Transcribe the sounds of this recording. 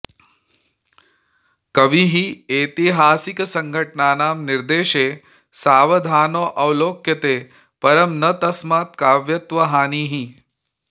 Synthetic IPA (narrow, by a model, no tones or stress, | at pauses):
kɐʋiɦieːt̪iɦaːsiksɐŋɡʱɐʈɳaːnaːmniɾd̪eːʃeː | saːʋɐd̪ʱaːnoːʔɐwloːkjɐt̪eː | pɐɾɐmnɐt̪ɐsmaːt̪̚kaːʋjɐt̪ʋɐɦaːniːɦi